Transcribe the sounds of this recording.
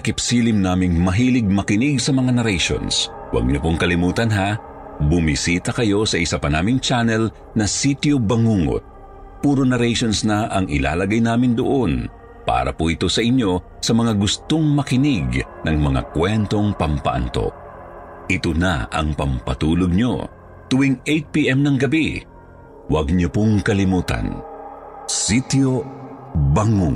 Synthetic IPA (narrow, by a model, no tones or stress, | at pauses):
ɐkɪpsiːlɪmnaːmɪŋmɐɦiːlɪɡ̚mɐkɪnɪɡ̚sɐmɐŋanɐɾɛjʃo̰ns | wɐ̰ɡ̚ɲopoŋkɐlɪmuːt̪ɐnɦa | bʊmisiːt̪ɐkɐjo̞sɐʔɪsapɐnaːmɪŋt͡ʃanɛl | nɐsit̪jobɐŋuːŋo̰t̪̚ | puːɾonɐɾɛjʃo̞nsnɐʔɐŋɪla̰ːlɐɡajnaːmɪnd̪o̰ʔo̞n | pa̰ːɾɐ̰poʔɪt̪o̞sɐʔɪɲːo̞ | sɐmɐŋaɡʊst̪oŋmɐkɪnɪɡnɐŋmɐŋa̰kwɛnt̪o̞ŋpɐmpɐ̰ʔɐ̰nt̪o̞̰ʔ̚ | ʔɪt̪ona̰ɐ̰ŋpɐmpɐt̪uːloɡ̚ɲo̞̰ | t̪ʊwiŋejt̪̚piʔɛmnɐŋɡɐbi | wɐɡ̚ɲopoŋkɐlɪmuːt̪ɐ̰n | sit̪io | baŋuŋ